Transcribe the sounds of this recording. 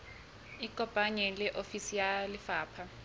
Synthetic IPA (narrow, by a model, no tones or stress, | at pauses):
iɡ̥ʱʼɔb̥ʼʱaɲɛlɛʔofisijalifaːpʰa